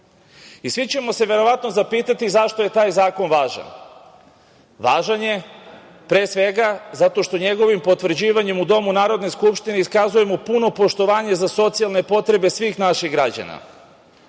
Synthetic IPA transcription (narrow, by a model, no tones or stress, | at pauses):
isʋit͡ɕe̞mo̞se̞ʋe̞ɾo̞ʋat̪no̞zapiːt̪at̪izaʃt̪o̞je̞t̪aːjzaːko̞nʋaːʒa̰n | ʋaːʒanje̞ | pɾeːsʋe̞ɡazat̪o̞ʃt̪o̞ɲe̞ɡo̞ʋimpo̞t̪ʋɾ̩d͡ʑiːʋaɲe̞mud̪o̞munaːɾo̞d̪ne̞skupʃt̪ineiskazuje̞mopuno̞po̞ʃt̪o̞ʋaːɲezaso̞t̪sialˠne̞po̞t̪ɾe̞be̞sʋiːxnaʃiɣɡɾad͡ʑa̰na̰